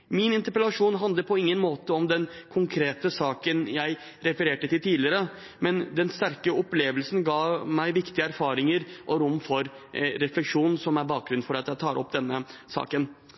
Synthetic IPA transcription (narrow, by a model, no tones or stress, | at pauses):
mɪnɪnt̪əɾpɾəlɑʂuːnɦɑnd̪ləɾpʰɔɪŋːənmoːt̪əɔmd̪ɛnkʰʊŋkʰɾeːt̪əsɑːkənjæɪ | ɾɛfəɾeːʈət̪ʰɪlt̪ʰiːlɪəɾə | mɛnd̪ɛnst̪æɾkəɔpleːʋəlsn̩ɡɑːmæɪʋɪkt̪ɪəæɾfɑːɾɪŋəɾʔɔɾʊmfɔɾ | ɾɛflɛkʂuːnsɔmæɾbɑːk̚ɡɾʉnfɔɾɑt̪jæɪt̪ʰɑːɾʔɔpːd̪ɛnːəsɑ̰ːkən